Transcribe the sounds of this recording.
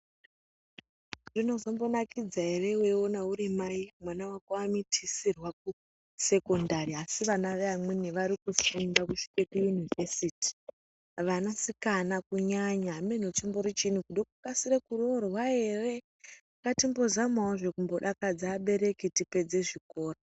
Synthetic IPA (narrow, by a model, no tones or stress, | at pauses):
ʐino̞zombo̞nakid͡zae̞re̞weonauɾimaimwanawakoamitʰisirwak̚u | se̞ko̞ndaɾiasiʋanaʋeamweniʋaɾikufumbakuʃi̥kekujunivesiti̥ | ʋanasikanakuɲaɲaːmenot͡ʂimbo̞ɾit͡ʃin̤ukuɗokukasiɾekurorwae̞re | katimbo̞zamaoʐe̞kumbo̞ɗakad͡zaːɓe̞ɾe̞kitipe̞d͡ze̞ʐiko̞ːra